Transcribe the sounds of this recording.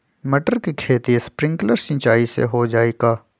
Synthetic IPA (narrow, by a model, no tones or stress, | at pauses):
məʈəɾkikʰeːt̪ispɾɪ̃ŋɡləɾsɪ̃nt͡ʃaːisḛɦod͡ʒaːeːɡaː